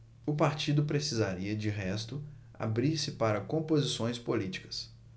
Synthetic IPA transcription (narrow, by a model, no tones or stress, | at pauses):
ʊpaɾt͡ʃid̪ʊpɾesizaɾiɐd͡ʒɪɦɛst̪ʊ | a̰bɾiɾsɪpaɾɐkõmpozisõj̃spolit͡ʃi̥kɐ̥s